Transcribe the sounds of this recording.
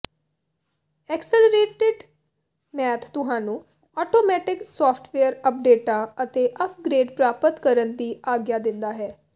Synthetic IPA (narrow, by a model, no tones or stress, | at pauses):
ɛːksələɾeːʈeɖ | mɛːt̪ʰt̪ʊɦãːnũː | ɔːʈoːmɛːʈɪksaːpʰʈʰʋeəɾəp̚ɖeːʈãːət̪eːʔəp̚ʰɡɾeːɖpɾaːpət̪kəɾənd̪iːaːɡjaːd̪ɪ̃nd̪aːɦɛː